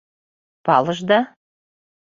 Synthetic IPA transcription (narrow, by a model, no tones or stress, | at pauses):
pɑlˠɤʒd̪ɑ